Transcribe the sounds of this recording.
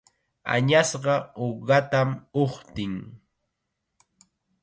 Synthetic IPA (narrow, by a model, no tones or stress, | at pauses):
a̰ɲasɢɑoɢat̪amoχt̪ɪŋ